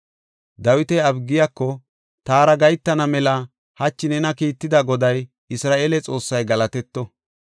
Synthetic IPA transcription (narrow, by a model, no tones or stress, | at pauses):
d̪ɐwɪt̪ɛɐbɡɪjakːɔ | t̪aːɾɐɡɐjt̪ːɐnɐmɛlɐ | hɐt͡ʃːɪnɛnɐkiːt̪ːɪd̪ɐɡɔd̪ɐj | ɪsɾaːʔeːlɛt͡sʼo̞ːsːɐjɡɐlɐt̪ɛt̪ːɔ